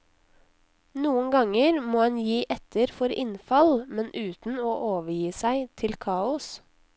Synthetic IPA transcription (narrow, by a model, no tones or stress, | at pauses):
nuːənɡɑŋəɾmoːhɑnjiːʔɛt̪əɾfɔɾɪ̰nfɑlmɛnʔʉːt̪n̩oːʔoːʋəjiːsæɪt̪ʰɪlkʰɑːʊs